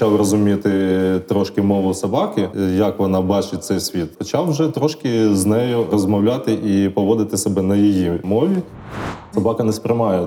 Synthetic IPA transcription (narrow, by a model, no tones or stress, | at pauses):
t͡ʃɑwrɔzʊmʲit̪ɪt̪ɾɔʃkɪmɔʋʊsɐbɑkɪjɐkʋɔnɑbɑt͡ʃɪt̚ʲt̪sɛjsʲʋʲit̪xɔt͡ʃɑwʒɛt̪ɾɔʃkɪznɛjʊrɔzmɔwlʲat̪ɪʔipɔʋɔd̪ɪt̪ɪsɔbɛnɐjɔjimɔʋʲi | sɐbɑkɐnɛspɾʲɪmɑjɛ